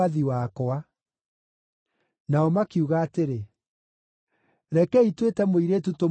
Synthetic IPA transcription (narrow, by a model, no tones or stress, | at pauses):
aðiwakɔa | naɔmakiuɣaːteɾe | ɾɛkɛitwetɛmoiɾetuto